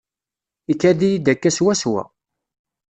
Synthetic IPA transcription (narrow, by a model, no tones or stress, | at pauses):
ikːæðijid̪ækːæswæswæ̰